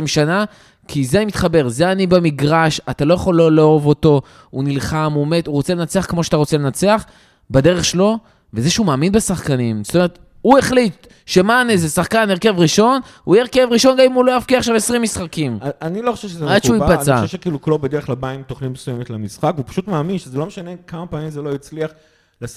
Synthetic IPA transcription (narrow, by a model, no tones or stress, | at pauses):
imʃana | kʰizeanimit̪χabe̞ʁzeanibemiɡʁaʃat̪alo̞jaχo̞llːeovo̞to̞ | unilχamume̞t̪uʁo̞t͡sele̞nat͡seaχkmo̞ʃeat̪aʁo̞t͡sele̞nat͡seaχ | bede̞ʁeχʃelo̞ | vezeʃeumaːminbesaχkanimz̥t̪ome̞et̪ | ue̞χlit̪ | ʃe̞manezesaχkaneʁke̞vʁiʃo̞n | ujeʁkevʁiʃo̞nɡamimulojafkiaχʃavesʁimːisχakimaaniloχḁʃevʃezeaʃeuipat͡saʃevʃekiːluklobed̪eʁeχlabaimt̪oχnitmesujemet̪lamisχakvupḁʃutmaːminʃezelo̞meʃanekamapaːmimzelo̞jit͡sliaχ | las